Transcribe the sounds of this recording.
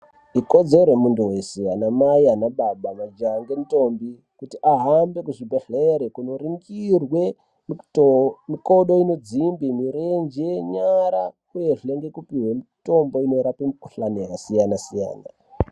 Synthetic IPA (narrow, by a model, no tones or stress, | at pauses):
iko̞d͡ze̞ɾemunduwesianamaianaɓaɓamad͡ʒaŋɡemuto̞mbi | kutiʔaɦambe̞kuʐibʱeɬeɾekuno̞riŋɡirwe̞ | miko̞ɗo̞ino̞d͡zimbimiɾend͡ʒeɲaɾakujeʐeŋɡe̞kupiɦwemito̞mbo̞ino̞iɾapemikuɬanejakasijanasija̰ːna̰